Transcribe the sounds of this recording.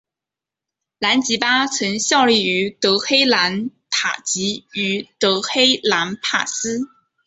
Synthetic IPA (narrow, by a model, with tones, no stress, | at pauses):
la˧˥nt͡ɕi˧˥pa˥t͡sʰə˧˥ŋɕjɑ˥˧ʊli˥˩y˧˥t̪ɤ˧˥xe˥ɪla˧˥nt̪ʰa̰˨˩t͡ɕi˧˥y˧˥t̪ɤ˧˥xe˥ɪla˧˥npʰa̰˨˩sɹ̩˥